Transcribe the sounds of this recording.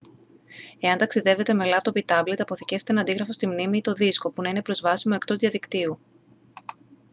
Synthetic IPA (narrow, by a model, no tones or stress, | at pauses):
e̞ɐnt̪ɐksiðe̞ve̞t̪e̞me̞lɐpot̪obit̪ɐble̞t̪ɐpo̞θice̞fset̪eɐːnd̪iɣɾɐfo̞st̪imnimiːt̪o̞ðisko̞punɐine̞pɾo̞zvɐsimoe̞kt̪o̞zðjɐðikt̪iu